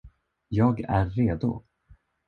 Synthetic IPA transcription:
jɑːɡæ̰ɾːeːd̪ʊ̰

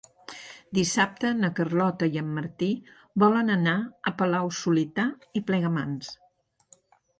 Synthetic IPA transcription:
d̪isap̚t̪ənəkərlɔt̪əjəmːəɾt̪i | bɔlənənaəpəlawsulit̪aiplɛɣəmans

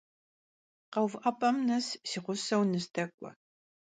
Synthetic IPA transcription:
qɐwvʔɐpʼɐmnɐssiːχʷʊsɐwnɨstʰɐkʷʼɔ̰

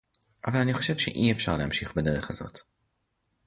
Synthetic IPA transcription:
ʔavalaniχo̞̥ʃe̞vʃḛʔiefʃaʁlehamʃiχbeneʁeχazo̞̰t̪

